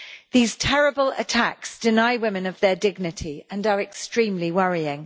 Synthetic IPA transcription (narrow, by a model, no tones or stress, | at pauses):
ðiːz̥tʰɛɹəbələ̰tʰaksd̥ɪnaɪwɪ̃mɪ̃nəvðədɪɡ̚nɪtʰiə̃nəɹɛkstɹ̥ĩːmliwʌɹiɪ̃ŋ